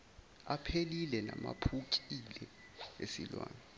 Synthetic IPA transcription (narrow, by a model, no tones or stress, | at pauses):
apʰelilɛnamapʰukʼilɛ | esḭlwa̰ːna